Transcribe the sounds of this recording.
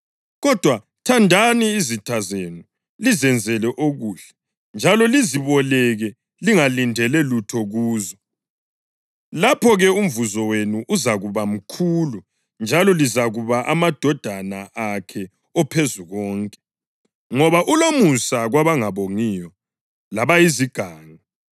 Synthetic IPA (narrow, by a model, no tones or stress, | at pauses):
ɣɔd̥ʱwa | tʰandʱaniːzitʰazenu | lizɛnd͡zʱɛlɛʔoɣuːɬɛ̥ | nd͡ʒʱalɔliziβɔlɛɣɛ | liŋalindʱɛlɛlutʰɔɣuːzɔ | lapʰɔɣɛum̩vuzɔwenuʔuzaɣuβam̩kʰuːlu | nd͡ʒʱalɔlizaɣuβaʔamad̥ʱɔd̥ʱanaʔakʰɛ | ɔpʰezuɣɔːŋkʼɛ̥ | ŋɔβaʔulomusaɣwaβaŋaβoŋijɔ | laβajiziɡ̥ʱaːŋa